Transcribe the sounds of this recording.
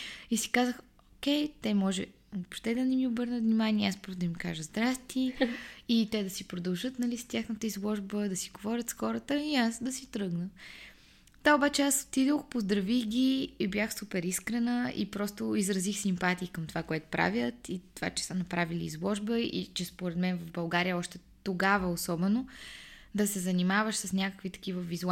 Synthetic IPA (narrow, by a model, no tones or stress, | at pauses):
isi̥kazəx | okʲɛjt̪ɛmɔʒɛ | opʃt̪ɛd̪ɐnɛmiʊbɤɾnət̪vnʲimanʲiɛaspɔd̪ɐmika̰ʒəzd̪ɾast̪iit̪ɛd̪ɐsipɾod̪ɐlˠʒɤt̪nɐlist̪jaxnət̪əizlˠɔʒbəd̪ɐsiɡovɔɾʲət̪sxɔɾət̪əiasd̪ɐsit̪ɾɤɡnə | d̪aobat͡ʃɛaso̥t̪id̪əxpozd̪ɾɐvixɡʲiːbjʲaxsupɛɾiskɾɛnəḭpɾɔst̪ʊizɾɐzixsimpat̪iːkəmt̪ovakoɛt̪ʊ̥pɾa̰vjət̪it̪ova̰t͡ʃɛ̥sənɐpɾavilḭːzlˠɔʒbəḭt͡ʃɛspoɾɛd̪mɛnvɐvbɐlˠɡaɾijəɔʃt̪ɛ | t̪oɡavəosɔbɛnod̪ɐsɛzɐnimavəʃsəsnʲakə̥kvit̪ɐ̥k̟ʲivəvizu